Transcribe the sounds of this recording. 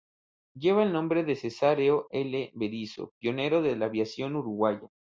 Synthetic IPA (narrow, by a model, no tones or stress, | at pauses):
ɟ͡ʝe̞βaelnõ̞mbɾe̞ðesesaɾeoʔe̞leβeðiso̰pjo̞ne̞ɾo̞ðe̞laβjasjo̞nuɾuɣwaʝa